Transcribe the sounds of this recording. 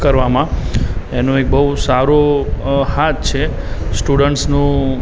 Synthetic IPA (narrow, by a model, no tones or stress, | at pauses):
kəɾʋamãenõek̚bəusaɾo | hat̪t͡ʃʰe | sʈuɽəɳʈsnũ